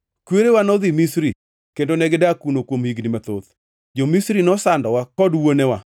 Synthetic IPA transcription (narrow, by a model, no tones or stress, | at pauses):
kweɾewanɔðimisɾi | kendonɛɡɪdakunokwomhiɡnɪmat̪o̰ð | d͡ʒomisɾinɔsandɔwakɔdwonɛwa